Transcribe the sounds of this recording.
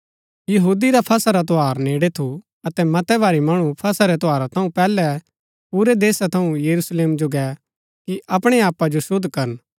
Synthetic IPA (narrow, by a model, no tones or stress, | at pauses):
jɐɦuːd̪iɾapʰɐsaɾat̪oɦaːɾneːɽet̪ʰu | ɐt̪ɛmɐt̪ɛbaːɾimɐɽ̃upʰɐsaɾɛt̪ɔaːɾat̪ʰɐ̃ũpɛːlɛ | puːɾɛd̪eːsat̪ʰɐũjɐɾusleːmd͡ʒoɡɛ | kiʔɐpɽ̃eaːpad͡ʒosʊd̪ʱːkɐɾən